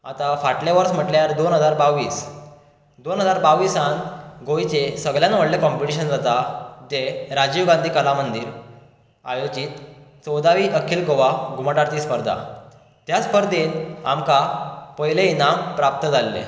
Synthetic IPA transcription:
a̰t̪afaʈleʋəɾsm̤əʈljaɾd̪onɦəd͡zaɾbaʋiːs | d̪onɦəd͡zaɾbaʋisanɡoit͡sesəɡljanʋəɽlekɔmpiʈiɕ̬ənd͡zat̪ad͡ʑeɾad͡ʑiʋɡãnd̪ʱiːkəlamənd̪iːɾ | a̰jod͡ʑiːt̪t͡sɔwd̪aʋiːʔəkʰiːlɡoʋaɡumaʈaɾt̪iːspəɾd̪ʱa̰ | t̪jaspəɾd̪ʱena̰mkapəjleinampɾap̚t̪əd͡zʱalːḛ

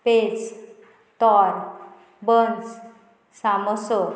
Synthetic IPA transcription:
pet͡s | t̪ɔɾ | bəns | saməso

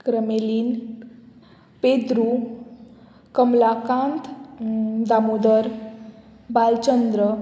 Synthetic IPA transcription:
kɾəmelin | ped̪ɾu | kəmlakant̪ʰ | d̪amud̪əɾ | balt͡ʃənd̪ɾə

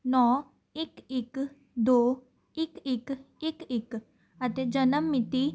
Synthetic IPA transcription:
nɔː | ɪkɪk | d̪oː | ɪkɪk | ɪkɪk | ət̪ed͡ʒənəmːɪt̪i

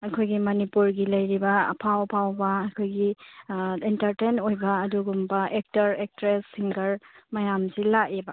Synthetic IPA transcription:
ɐkʰojɡimɐnipuɾɡilɐjɾibɐ̰pʰawpʰawbɐːkʰojɡi | intɐɾtenojbɐːduɡumbɐʔek̚tɐɾek̚tɾesiŋɡɐɾmɐjamzilaʔebɐ

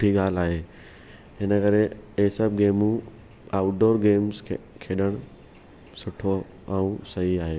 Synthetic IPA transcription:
ʈʰiɠaːlaːɦeː | ɦɪnəkɐɾeeːsɐb̚ɡeːmũ | aːʊʈ̚ɖoːɾɡeːmzʰkʰeːɗəɽ̃ʊ | sʊʈʰo | aũsɐɦiaːɦeː

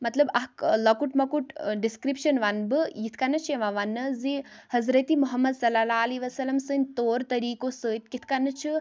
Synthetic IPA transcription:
mɐt̪lɐbɐɦklɐkuʈmɐkuʈɖiskɾipʃɐnʋanbɨjit̪ʰkanːɐt͡ʃʰeʋãʋanːɨzihɐzɾɐt̪imuɦɐmːɐd̪sɐlalaːliʋɐsɐlɐmsɨnʲt̪oːɾt̪ɐɾiːkosɨt̪kit̪ʰkanːɨt͡ʃʰi

